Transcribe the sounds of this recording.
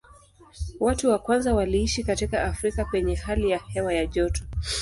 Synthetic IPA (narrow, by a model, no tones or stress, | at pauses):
watuwakwanzawaliiʃikatikaːfɾikapɛɲɛhalijahɛwajaʄɔtɔ̥